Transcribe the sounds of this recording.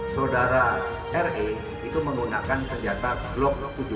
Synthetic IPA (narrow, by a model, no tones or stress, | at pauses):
saodaɾa | ɛre | it̪uməŋɡunakansəɲd͡ʒat̪ablɔk̚t̪ud͡ʒu